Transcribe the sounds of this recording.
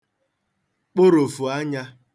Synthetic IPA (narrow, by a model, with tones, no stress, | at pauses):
k͡po˦ɾo˨fu˨a˦ɲa˦